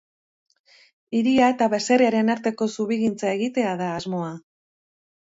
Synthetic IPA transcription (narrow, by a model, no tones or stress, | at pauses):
iɾiae̞t̪aβe̞se̞reaɾe̞naɾt̪e̞ko̞suβiɣint͡sae̞ɣit̪e̞aðaːzmo̞a